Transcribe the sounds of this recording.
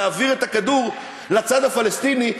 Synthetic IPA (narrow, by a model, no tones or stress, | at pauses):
aːviʁe̞t̪akad̪uʁ | lat͡sad̪afalest̪ini